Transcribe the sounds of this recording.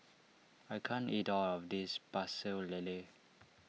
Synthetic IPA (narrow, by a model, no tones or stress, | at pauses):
ajkʰãnitɔlɔfdisbasəlele